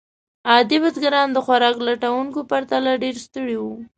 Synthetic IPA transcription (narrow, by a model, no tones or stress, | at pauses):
ɑd̪ibazɡaɾɑnd̪əxwaɾɑklaʈawuŋkopaɾt̪alaɖeɾst̪əɽiwu